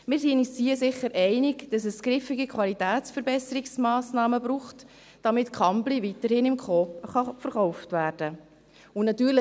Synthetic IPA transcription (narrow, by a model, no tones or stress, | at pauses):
mɪːɾsinissiəsɪχːəɾʔɛɪnɪɡd̥ɑsɛsɡ̥ɾɪfɪɡikʰwɑlitæːtt͡sfəɾbɛsəɾɪksmɑːsnɑːməbɾuːχt | d̥ɑmɪtkχɑmblivitəɾhɪnɪmkχɔːχɑfəɾχɔʊftʋæːɾd̥ə | ʊnɑtyːɾlə